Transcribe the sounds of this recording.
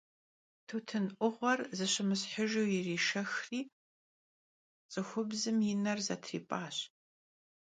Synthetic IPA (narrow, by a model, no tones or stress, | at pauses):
tʰuːtʰɨnʔʷʊʁʷɔrzɨɕɐmɨsħəʒowjɪriːʃɐxriː | t͡sʼɨxʷʊbzɨmjinɐrzɐtʰrḭːpʼaːɕ